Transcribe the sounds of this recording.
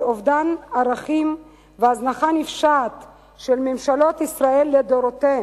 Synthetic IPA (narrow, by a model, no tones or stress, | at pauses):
ovdanaʁaχim | veaznaχanifʃat̪ | ʃelmemʃalo̞t̪isʁaelːed̪oɾot̪eem